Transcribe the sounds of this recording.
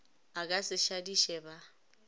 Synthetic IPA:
akʼasɪʃadiʃɛba

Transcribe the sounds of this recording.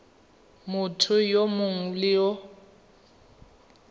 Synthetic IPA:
mʊtʰʊjomʊŋulɪɔ

